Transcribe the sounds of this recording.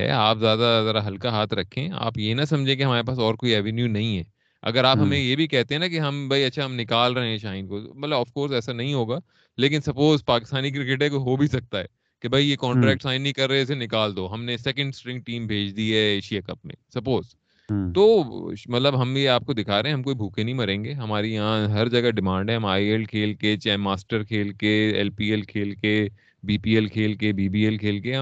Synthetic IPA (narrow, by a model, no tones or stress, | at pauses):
ɦɛ̰aːpzjaːd̪azaːd̪aɦɐlkaɦaːt̪ʰɾɐkʰːẽa̰ːpjenɐsɐ̃md͡ʒʱẽk̬eɦɐmaːɾepaːs̬ɔːɾkoːiɛːʋɛnjunɐɦĩɦɛː | ɐ̰ɡəɾaːpɦɐmẽjebʱikɛɦt̪ẽɦɛ̃nakiɦɐmbʱɐiɐtːʃʰaɦɐmnɪkaːlɾɐɦẽɛ̃ʃãːɪnkomɐt̪ləbɐfkoːɾsɛːsanɐɦĩɦoːɡaː | leːk̬ɪnsɐpoːzpaːkɪst̪aːnik̬ɾɪkeʈ̬ẽkoɦobʱisɐk̚t̪aɦɛ̰ː | kebʱɐijekɔːɳʈɾɛːk̚ʈsaːɪ̃nːɐĩkɐɾːɐeɪs̬enɪkaːld̪oːɦɐmnesɛːkə̃ɳɖsʈɾɪ̃ŋɡ̚ʈiːmbʱeːd͡ʒd̪iɦɛeːʃiakɐpmḛ̃sɐpoːzʈ | t̪oːmɐt̪ləbɦɐmjeaːp̚kod̪ɪkʰaːɾeɦɛ̃ɦɐ̃mkoːibʱuːkenɐɦĩmɐɾẽːŋɡeːɦɐmaːɾijɐɦãɦɐɾd͡ʒɐɡaɖɪmãːɳɖɦɛ̃ɦɐmaːiɛlkʰeːlket͡ʃaːmaːsʈəɾkʰeːlkeɛlpiːɛlkʰeːlke | biːpiːɛlkʰeːlkebiːbiːɛlkʰeːlkeɦɐ